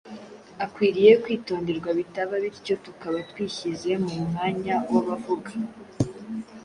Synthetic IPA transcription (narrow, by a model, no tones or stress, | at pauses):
akwiːɾijekwiːto̞ːndeɾɡwaβitaβaβiɾco̞tukaβatwiːçize̞mumŋaːɲawaβavuɡa